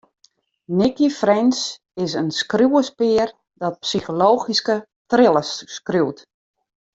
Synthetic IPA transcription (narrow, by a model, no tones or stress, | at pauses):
nɪkifrɛns | ɪsənskrjuwəspɪːər | dɔt̚psixoloːχiskə | trɪlˠəsːkruwt